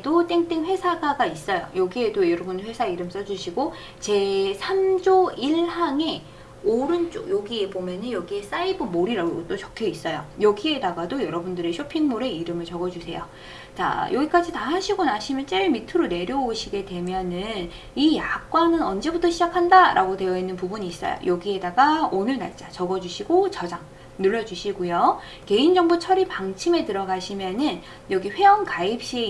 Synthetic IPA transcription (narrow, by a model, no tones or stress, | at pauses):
dot͈eŋt͈eŋɸwe̞sʰaɡaɡais͈ʌjo̰jʌɡie̞dojʌɾʌbundɭwe̞sʰaiɾɯms͈ʌd͡ʑuɕʰiɡo | t͡ɕe̞sʰamd͡ʑoiɭhaŋe̞ | oɾɯnt͡ɕ͈o̰joɡiebomjʌnɯnjʌɡie̞s͈aibɯmoɾiɾaɡot͈ot͡ɕʌkʰʌis͈ʌjo̰jʌɡie̞daɡadojʌɾʌbundɯɾe̞ɕʰopʰiŋmoɾe̞iɾɯmɯɭt͡ɕʌɡʌd͡ʑusʰe̞̰jo | t͡ɕa̰jʔʌɡik͈ad͡ʑitahaɕʰiɡonaɕʰimjʌnt͡ɕ͈eɭmitʰɯɾone̞ɾjʌuɕʰiɡe̞dwe̞mjʌnɯn | ijak̚k͈wanɯnʌnd͡ʑe̞butʰʌɕʰid͡ʑakʰandaɾʔa̰ɡode̞jʌinːɯnpubuɲiːs͈ʌ̰jo̰jʌɡie̞daɡaonɯɭna̰ɭt͡ɕ͈at͡ɕʌɡʌd͡ʑuɕʰiɡot͡ɕʌd͡ʑaŋ | nuɭːʌd͡ʑuɕʰiɡujo | ke̞ind͡ʑʌŋbot͡ɕʰʌɾipaŋt͡ɕʰime̞tɯɾʌɡaɕʰimjʌnɯn | jʌɡiɸwe̞ʌnkaip̚ɕ͈i